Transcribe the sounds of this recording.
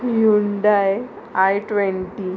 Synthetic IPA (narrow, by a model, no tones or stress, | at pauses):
juɳɖaj | ajʈʋɛnʈi